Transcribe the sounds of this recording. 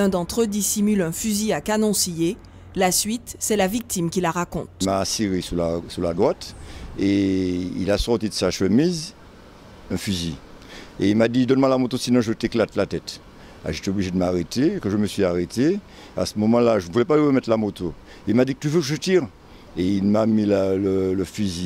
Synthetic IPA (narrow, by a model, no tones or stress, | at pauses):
ɛ̃d̪ɑ̃t̪χəd̪isimylɛ̃fyziakanɔ̃sije | lasɥit̪sɛlavik̚t̪imkʲilaʁakɔ̰̃t̪maːsiʁesulasulad̪ʁwat̪eḭlasɔʁt̪id̪əsaʃəmiz | ɛ̃fyzi | eilmad̪id̪ɔnmwalamot̪osinɔ̃ʒət̪eklat̪lat̪ɛt̪ | a̰ʒet̪ɛobliʒed̪əmaʁet̪ekəʒəməsɥiaʁet̪e | a̰səmɔmɑ̃laʒənəvulɛpalɥiʁəmɛt̪lamot̪o | ilmad̪ikə̥t̪yvøkəʒət̪iʁ | eilmamillələfyzi